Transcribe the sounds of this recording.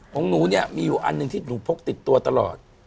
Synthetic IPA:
ho˨˦ŋnuː˩˦ni˥˩ɐmiː˧juː˨˩ʔa̰˧nːɯ˨˧ŋt̪ʰiː˥˩nuː˩˦pʰo˦˥k̚t̪i˨˩t̪ːu˧ɐt̪a˧lɔ̰ː˨˩t̪̚

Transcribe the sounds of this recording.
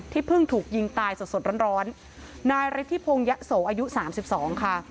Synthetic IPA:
t̪ʰiː˥˩pʰɯ˥˩ŋt̪ʰuː˨˩k̚ji˧ŋt̪aː˧jso˨˩t̪so˨˩ɾɔː˦˥nɾɔː˦˥nː | aː˧jɾa˦˥t̪ʰːi˦˥pʰoː˧ŋja˦˥ʔsoː˩˦ʔaː˧ju˦˥saː˩˦msi˨˩p̚sɔː˩˦ŋkʰa˥˩

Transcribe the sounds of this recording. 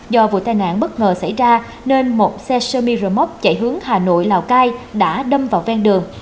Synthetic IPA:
zɔ˧vṵ˧˨t̪aː˨˩jna̰ː˧˨nɓə˦˥t̚ŋəː˨˩sa̰˧˩jzaː˧ | ne˧nmo˨˩t̚sɛ˧sə˧mi˧zəː˧˩mɔ˦˥p̚t͡ɕə̰˧˩jɦɨ˨˦əŋhaː˨˩no̰˧˨jlaː˨˩wkaː˧jɗa̰ː˧˥ɗə˧mvaː˨˩wvɛ˧nɗɨ˨˩əŋ

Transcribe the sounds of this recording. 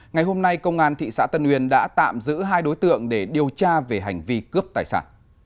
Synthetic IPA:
ŋa˨˩jɦo˧mna˧jkə˧wŋ͡mʔaː˧nt̪ʰḭ˧˨sa̰ː˧˥t̪ə˧nhwi˨˩ənɗa̰ː˧˥t̪a̰ː˧˨mzɨ̰˧˥ɦaː˧jɗo˨˦jt̪ɨ̰˧˨əŋɗe˧˩ɗi˨˩əwt͡ɕaː˧ve˨˩ɦa˨˩jŋ̟vi˧kɨ˦˥əp̚t̪aː˨˩jsa̰ː˧˩n

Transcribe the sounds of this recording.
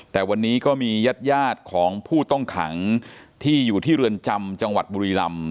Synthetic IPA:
t̪ɛː˨˩wa˧nːiː˦˥kɔː˥˩miː˧ja˦˥t̪̚jaː˥˩t̪̚kʰɔː˩˦ŋpʰuː˥˩t̪ɔ˥˩ŋkʰa̰˩˦ŋt̪ʰiː˥˩juː˨˩t̪ʰiː˥˩ɾɯ˧ənt͡ɕa˧mt͡ɕa˧ŋwa̰˨˩t̪̚buː˧ɾiː˧la˧m

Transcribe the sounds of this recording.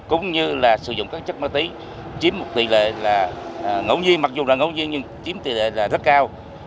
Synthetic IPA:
kʊ̰˧˦ŋ͡mɲɨ˧laː˨˩sɨ̰˨˧˩zʊ̰˧˨ŋ͡mkaː˦˥k̚t͡ɕə˦˥t̚maː˧t̪i˨˦ | t͡ɕi˨˦mo˨˩t̚t̪ḭ˧˨˩lḛ˧˨laː˨˩ŋə̰˧˩wɲi˧ənma˨˩k̚zʊ˨˩laː˨˩ŋə̰˧˦wɲi˧ənɲɨ˧ŋt͡ɕi˨˦əmt̪ḭ˨˩lḛ˧˨laː˨˩zə˦˥t̚kaː˧w

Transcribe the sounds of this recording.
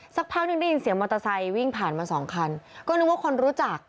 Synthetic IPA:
sa˦˩k̚pʰaː˥˩k̚nɯ˥˩nda˥˩ji˧nsi˨˩˦mɔ˧t̪a˧sa˧jwi˥˩ŋpʰaː˨˩nmaː˧nsɔː˩˦ŋkʰa˧nkɔː˥˩nɯ˦˥waː˥˩kʰo˧nɾuː˦˥t͡ɕa˨˩k̚

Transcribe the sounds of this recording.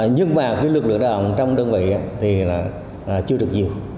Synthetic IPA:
ɲɨ˧ŋmaː˨˩kaː˨˦jlɨ˨˩k̚lɨ̰˧˨əŋɗaː˨˩ʔə̰˧˨ŋ͡mt͡ɕɔ˧wŋ͡mɗəː˧nvḭ˧˨jʔaː˧˦t̪ʰi˨˩laː˨˩ | aː˨˩t͡ɕɨ˧əɗɨ˨˩ək̚ɲi˨˩əw

